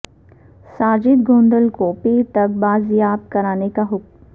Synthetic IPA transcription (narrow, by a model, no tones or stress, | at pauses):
saːd͡ʒɪd̪ɡõːnd̪əlkopiːɾt̪ɐk̚baːzjaːbkɐɾaːnekaɦʊk̚m